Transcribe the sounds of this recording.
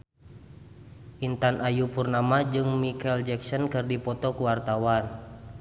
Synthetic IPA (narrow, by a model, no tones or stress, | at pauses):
ʔint̪anʔajupurnamad͡ʒɨŋmikɛld͡ʒɛksɔnkɨrdipɔt̪ɔkuwart̪awan